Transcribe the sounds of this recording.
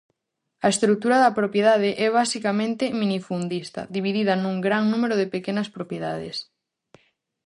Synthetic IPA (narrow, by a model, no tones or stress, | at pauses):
ɐest̪ɾuk̚t̪uɾɐðɐpɾopjeðaðeʔɛβ̞asikamẽnt̪ɪminifund̪ist̪ɐ̰ðiβ̞iðiðɐnũŋɡɾaŋnũmeɾʊðepekenɐspɾopjeðaðḛs